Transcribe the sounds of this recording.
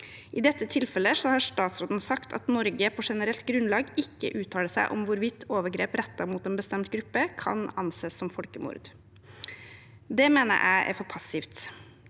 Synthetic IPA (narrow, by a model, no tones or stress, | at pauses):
ʔɪd̪ɛt̪ːət̪ʰɪlfɛlːəsɔhɑʂt̪ɑːt̪sɾoːd̪n̩sɑkt̪ʰɑ̰t̪nɔɾɡəpʰɔʂɛnəɾɛlt̪ɡɾʉnlɑːɡɪkːə̰ʔʉːt̪ʰɑːləsæ̰ɪʔɔ̰mʋʊɾʋɪt̪ʰːoːʋəɾɡɾeːpɾɛt̪ːɑmuːt̪ɛːnbəst̪ɛmt̪ɡɾʉpːəkʰɑ̰nɑnseːsɔmfɔlkəmʊ̰ɾd̪ | d̪ɛmeːnə̰ɾʔæ̰ɪʔæ̰ɾfɔɾpʰɑsɪft̪